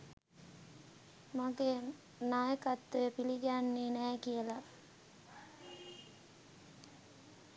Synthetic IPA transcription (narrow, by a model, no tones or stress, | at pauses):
maɡeː | najəkat̪ːujəpiliɡeanːiːnæːkijəla